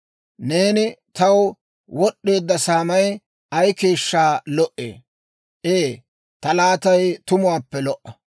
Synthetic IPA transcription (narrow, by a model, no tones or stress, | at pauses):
ne̞ːnɪt̪ɐw | wɔɗːe̞ːd̪ːɐsaːmɐj | ʔɐjke̞ːʃːaːlɔʔḛː | ʔeː | t̪ɐlaːt̪ɐjt̪ʊmʊwaːpːɛlɔʔːɐ